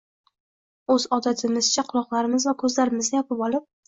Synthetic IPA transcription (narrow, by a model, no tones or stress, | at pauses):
ɵzɒd̪at̪ʰɪmɪzt͡ʃʰaqʰʊlˠɒqlˠaɾɪmɪzvakʰɵzlaɾɪmɪzɡ̪ʲajɒpɪpɒlˠɪp̚